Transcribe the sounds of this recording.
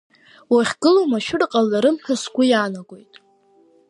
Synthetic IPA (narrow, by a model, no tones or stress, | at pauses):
waχʲɡɨlomaʃᶣʊrqʼalːaɾɨmħasɡʷʊjaːnaɡʷo̞jtʼ